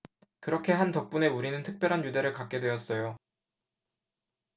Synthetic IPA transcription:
kɯɾʌkʰe̞ɦantʌk̚p͈une̞uɾinɯntʰɯk̚p͈jʌɾɦanjude̞ɾɯɭkak̚k͈e̞dwe̞ʌs͈ʌjo

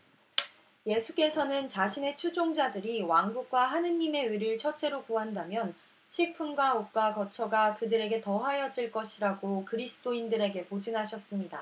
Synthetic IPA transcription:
je̞sʰuk͈e̞sʰʌnɯnt͡ɕaɕʰine̞t͡ɕʰud͡ʑoŋd͡ʑadɯɾiwaŋɡuk̚k͈waɦanɯɲːime̞ɯɾɯɭt͡ɕʰʌt͡ɕ͈ʰe̞ɾokuɦandamjʌn | ɕʰiɭpʰunɡwaok̚k͈wakʌt͡ɕʰʌɡakɯdɯɾe̞ɡe̞tʌɸajʌd͡ʑiɭk͈ʌɕʰiɾaɡokɯɾisʰɯ̥t͈oindɯɾe̞ɡe̞pod͡ʑɯŋɦaɕʰʌs͈ɯmɲida

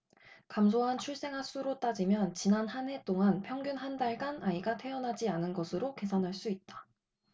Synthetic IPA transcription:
kamsʰoɦant͡ɕʰuɭs͈e̞ŋɦas͈ʰuɾot͈ad͡ʑimjʌnt͡ɕinanhane̞t͈oŋanpʰjʌŋɡjunɦandaɭɡanaiɡatʰe̞ʌnɦad͡ʑianɯnɡʌsʰɯɾoke̞sʰanɦaɭs͈uit̚t͈ḁ

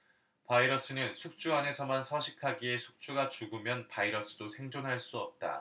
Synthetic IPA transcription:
paiɾʌs͈ɯnɯnsʰuk̚t͡ɕ͈uane̞sʰʌmansʰʌɕʰikʰaɡie̞sʰu̥k̚t͡ɕ͈uɡat͡ɕuɡɯmjʌnpaiɾʌs͈ɯdosʰe̞ŋd͡ʑonɦaɭs͈uʌp̚t͈a̰

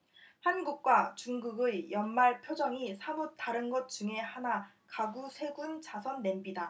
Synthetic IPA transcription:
hanɡuk̚k͈wat͡ɕuŋɡuɡɯjʌnmaɭpʰjod͡ʑʌŋisʰamutaɾɯnɡʌt̚t͡ɕuŋe̞hana | kaɡusʰe̞ɡunt͡ɕasʰʌnːe̞mbida

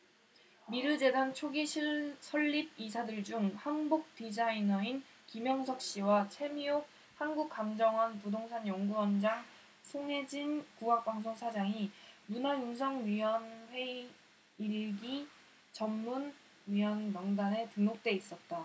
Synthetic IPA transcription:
miɾɯd͡ʑe̞dant͡ɕʰoɡiɕʰisʰʌʎːib̚isʰadɯɭd͡ʑuŋhanbuk̚t͈id͡ʑainʌin | kimjʌŋsʰʌk̚ɕ͈iwat͡ɕʰe̞miok̚ | hanɡuk̚k͈amd͡ʑʌŋɦʌnpodoŋsʰaɲjʌŋɡuwʌnd͡ʑaŋ | sʰoŋe̞d͡ʑinkuak̚p͈aŋsʰoŋsʰad͡ʑaŋimunajunsʰaŋɥiʌnɸwe̞i | ɭɡi | t͡ɕʌmːun | ɥiʌnmʌŋdane̞tɯnok̚t͈e̞is͈ʌt̚t͈a

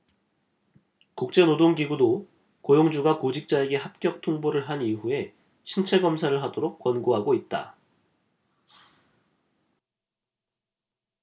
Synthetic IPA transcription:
kuk̚t͡ɕ͈e̞nodoŋɡiɡudo | kojoŋd͡ʑuɡakod͡ʑik̚t͡ɕ͈ae̞ɡe̞ɦap̚k͈jʌk̚tʰoŋboɾɯɭɦaniɦue̞ | ɕʰint͡ɕʰe̞ɡʌmsʰaɾɯɭɦadoɾok̚k͈wʌnɡoɦaɡoit̚t͈a̰

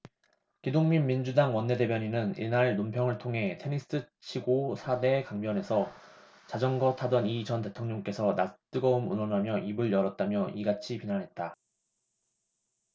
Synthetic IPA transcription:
kidoŋminmind͡ʑudaŋwʌnːe̞de̞bjʌɲinɯnḭnaɭnompʰjʌŋɯɭtʰoŋɦe̞tʰe̞nisʰɯ̥s͈ʰɯ | t͡ɕʰiɡosʰade̞kaŋbjʌne̞sʰʌ | t͡ɕad͡ʑʌnɡʌtʰadʌnit͡ɕʌnte̞tʰoŋɲʌŋk͈e̞sʰʌnat͈ɯɡʌumunwʌnɦamjʌʔibɯɭjʌɾʌt̚t͈amjʌʔiɡat͡ɕʰipinanɦe̞t̚t͈a

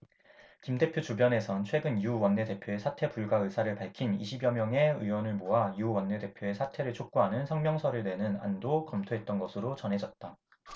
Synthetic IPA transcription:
kimde̞pʰjot͡ɕubjʌne̞sʰʌnt͡ɕʰwe̞ɡɯniuwʌnːe̞de̞pʰjoe̞sʰatʰe̞puɭɡaɯsʰaɾɯɭpaɭkʰiniɕʰibjʌmjʌŋe̞ɯwʌnɯɭmoaiuwʌnːe̞de̞pʰjoe̞sʰatʰe̞ɾɯɭt͡ɕʰok̚k͈uɦanɯnsʰʌŋmjʌŋsʰʌɾɯɭdwe̞nɯna̰ndokʌmtʰoɦe̞t̚t͈ʌnɡʌsʰɯɾot͡ɕʌnɦe̞d͡ʑʌt̚t͈a

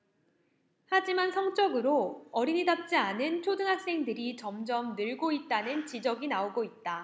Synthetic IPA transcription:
had͡ʑimansʰʌŋt͡ɕ͈ʌɡɯɾoʌɾiɲidap̚t͡ɕ͈ianɯnt͡ɕʰjodɯŋɦak̚s͈e̞ŋdɯɾit͡ɕʌmd͡ʑʌmnɯɭɡoit̚t͈anɯnt͡ɕid͡ʑʌɡinaoɡoit̚t͈a

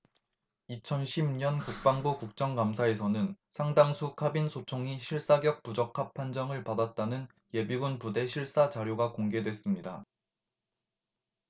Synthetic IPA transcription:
it͡ɕʰʌnɕʰimɲʌnkuk̚p͈aŋbukuk̚t͡ɕ͈ʌŋkamsʰae̞sʰʌnɯnsʰaŋdaŋsʰukʰabinsʰot͡ɕʰoŋiɕʰiɭs͈aɡjʌk̚pud͡ʑʌkʰapʰːand͡ʑʌŋɯɭpadat̚t͈anɯn | je̞biɡunpude̞ɕʰiɭs͈at͡ɕaɾjoɡakoŋɡe̞dwe̞s͈ɯmɲida

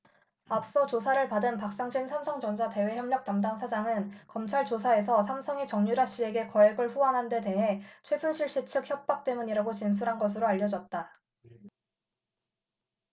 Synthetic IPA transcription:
ap̚s͈ʌt͡ɕosʰaɾɯɭpadɯnpak̚s͈aŋd͡ʑʰimsʰamsʰʌŋd͡ʑʌnd͡ʑʰate̞we̞çjʌmɲjʌk̚tamdaŋsʰad͡ʑaŋɯnkʌmt͡ɕʰaɭt͡ɕosʰae̞sʰʌsʰamsʰʌŋit͡ɕʌŋɲuɾaɕ͈ie̞ɡe̞kʌeɡɯɭɸuanɦande̞te̞ɦe̞t͡ɕʰwe̞sʰunɕʰiɭɕ͈it͡ɕʰɯk̚çjʌp̚p͈ak̚t͈e̞muɲiɾaɡot͡ɕins̬ʰuɾɦanɡʌsʰɯɾoaʎːʌd͡ʑʌt̚t͈a

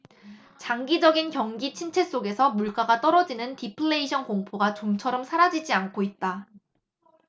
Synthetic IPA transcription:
t͡ɕaŋɡid͡ʑʌɡinkjʌŋɡit͡ɕʰint͡ɕʰe̞s͈oɡe̞sʰʌmuɭk͈aɡat͈ʌɾʌd͡ʑinɯntipʰɯɭːeiɕʰʌnkoŋpʰoɡat͡ɕoŋt͡ɕʰʌɾʌmsʰaɾad͡ʑid͡ʑiankʰoit̚t͈a

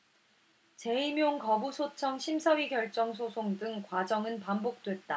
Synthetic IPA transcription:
t͡ɕe̞imjoŋkʌbusʰot͡ɕʰʌŋɕʰimsʰʌwiɡjʌɭt͡ɕ͈ʌŋs̬ʰosʰoŋdɯŋkwad͡ʑʌŋɯnpambok̚t͈we̞t̚t͈a

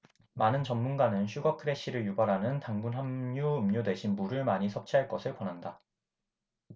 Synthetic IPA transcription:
manɯnt͡ɕʌmːunɡanɯnɕʰuɡʌkʰɯɾe̞ɕ͈iɾɯɭjubaɾɦanɯntaŋbunɦamɲuɯmɲodwe̞ɕʰinbuɾɯɭmaɲisʰʌp̚t͡ɕʰiɦaɭk͈ʌsʰɯɭkwʌnɦanda

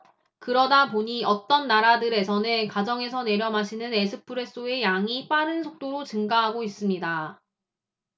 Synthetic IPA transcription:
kɯɾʌdapoɲiʌt͈ʌnːaɾadɯɾe̞sʰʌnekad͡ʑʌŋe̞sʰʌne̞ɾjʌmɦaɕʰinɯne̞sʰɯpʰɯɾe̞s͈oe̞jaŋip͈aɾɯnsʰok̚t͈oɾot͡ɕɯŋɡaɦaɡois͈ɯmɲida

